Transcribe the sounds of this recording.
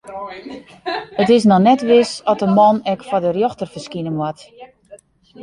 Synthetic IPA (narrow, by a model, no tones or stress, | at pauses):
ətɪs̬nɔnɛtʋɪsɔtəmɔnɛkfɔdərjoxtərfərskinəmwɔt